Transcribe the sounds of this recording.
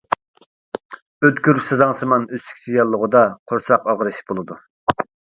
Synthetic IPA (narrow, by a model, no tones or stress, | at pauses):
øt̪kʲyɾypsɨzɑŋsɨmɑnøst̪y̥k̪ʲʰijɑlˠːəʁəd̪ɑqʰoɾsɑqɑʁɾɨʃb̥olˠɨd̪u